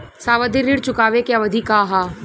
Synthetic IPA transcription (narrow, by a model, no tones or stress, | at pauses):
saːʋəd̪ʱiɾːiɽt͡ʃʊkaːʋekjaʋɐd̪ʱikaːɦaː